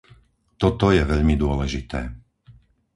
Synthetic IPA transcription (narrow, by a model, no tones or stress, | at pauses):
t̪ɔt̪ɔjɛʋɛʎmid̪ʊɔlɛʒit̪ɛ̰ː